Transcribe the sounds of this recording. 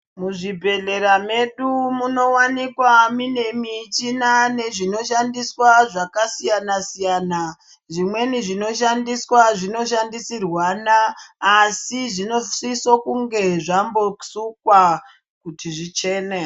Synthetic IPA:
muʐibʱe̞ɮe̞ɾame̞ɗumuno̞wanikwamine̞mit͡ʃinane̞ʐino̞ʃandiswaʐakasijanasijaːna | ʐimwe̞niʐino̞ʃandiswaʐino̞ʃ̬andisirwanaː | siʐino̞risokuŋɡe̞ʐambo̞sukwa | kutʰiʐit͡ʃe̞ːne

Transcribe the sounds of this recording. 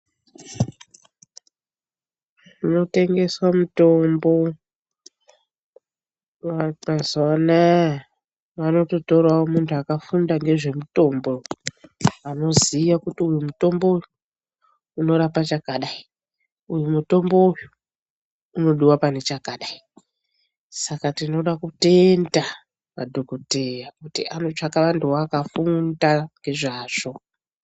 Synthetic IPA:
ino̞te̞ŋɡe̞swamuto̞mbo̞ | mazwana | ʋano̞to̞to̞rwawomuntʰuakafundaŋɡe̞ʐe̞muto̞mbo̞ | ano̞ziːʋakutiujumuto̞mbo̞uju | uno̞ɾapat͡ʃakaɗai | ujumuto̞mbouju | uno̞ɗuwapane̞t͡ʃakaɗai | sakatino̞ɗakute̞nda | ma̰dʱokote̞jakutḭanot͡ʂakaʋanduwakafundaŋɡe̞ʐaːʐ̥o̞

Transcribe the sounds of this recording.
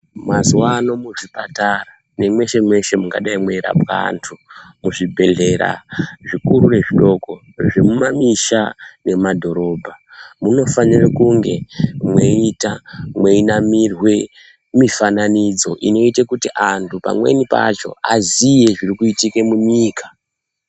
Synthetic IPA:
mazwano̞muʐipatara | ne̞mwe̞ʃe̞mwe̞ʃe̞muɡaɗaimweiɾa̰pa̰ntʰumuʐibʱe̞ɮe̞ɾa̰ʐikurure̞ʐiɗo̞ko̞ | ʐemumamiʃane̞madʱo̞ɾo̞bʱamuno̞fanirekuŋɡe̞mwe̞itamwe̞inamirwe̞ | mifananid͡zo̞ʔino̞itekutiʔantʰupa̰mwe̞̰nipa̰t͡ʃo̞̰azije̞ʐirikuitike̞muɲiːkḁ

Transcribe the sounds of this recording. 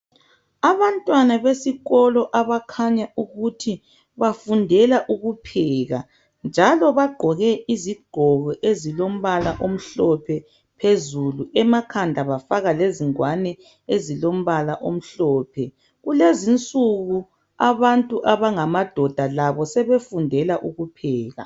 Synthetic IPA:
aβantʼwanaβesiɣɔlɔʔaβakʰaɲaʔuɣutʰi | βafundʱɛlaʔuɣupʰɛːɣa̰ | nd͡ʒʱalɔβaɡ͡ǃʱɔɣɛʔiziɡ͡ǃ̥ʱɔɣɔʔezilom̩βalaʔom̩ɬɔpʰɛ | pʰezuluʔɛmakʰandʱaβafaɣaleziŋwanɛ | ezilom̩βalaʔom̩ɬɔːpʰɛ | ɣulezint͡sʼuɣu | aβantʼuʔaβaŋamad̥ʱɔd̥ʱalaβɔsɛβefundʱɛlaʔuɣupʰɛːɣa̰

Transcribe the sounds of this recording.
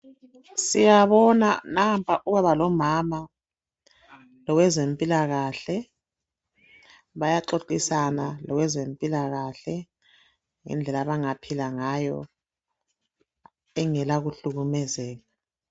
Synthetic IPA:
sijaβɔnanampʰʼaʔuɣaβalɔmama | lɔwɛzempʼilaɣaɬɛ | βajaǁoǃisanalɔwɛzempʼilaɣaɬɛ | ŋɛ̰nd͡ɮʱɛlaβaŋapʰilaŋajɔ | ɛŋɛlaɣuɬuɣumɛzɛːɣa

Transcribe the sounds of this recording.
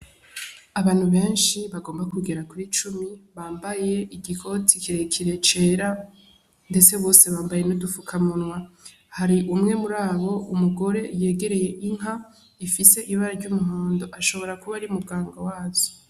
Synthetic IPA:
aβaːn̥huβe̞ːnʃiβaɡoːmbakuɡeɾakuiːt͡ʃumiβaːmbaje̞ʔiɡikʰo̞tikiɾekʰiɾe̞t͡ʃe̞ːɾa | nde̞t͡se̞βo̞ːse̞βaːmbaje̞nudufukʰamunŋwa | haɾiʔumŋe̞muɾaːβo̞ʔumuɡo̞ɾe̞je̞ːɡe̞ɾe̞je̞ʔiŋɦa | ifise̞ʔiβaɾaɾɟumuɦoːndo̞ʔaʃo̞βo̞ɾakuβaɾiumuɡaːŋɡawaːzo

